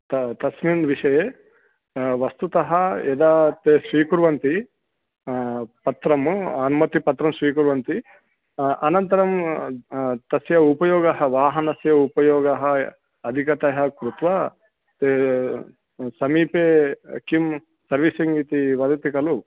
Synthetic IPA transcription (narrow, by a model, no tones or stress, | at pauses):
t̪ɐt̪ɐsminʋiʂɐjeː | ʋɐst̪ut̪ɐɦɐɛd̪aːt̪eːsʋiːkuɾʋɐnt̪i | pɐt̪ɾɐmɐnumɐt̪ipɐt̪ɾɐmsʋiːkuɾʋɐnt̪i | ɐnɐnt̪ɐɾɐm | t̪ɐsjɐupɐjɔːɡɐɦɐʋaːɦɐnɐsjɐupɐjɔːɡɐɦɐ | ɐd̪ʱikɐt̪ɐɦɐkɾut̪ʋɐ | t̪eː | sɐmiːpḛːkim | sɐɾʋisɐŋɡit̪iʋɐd̪ɐt̪ikɐlu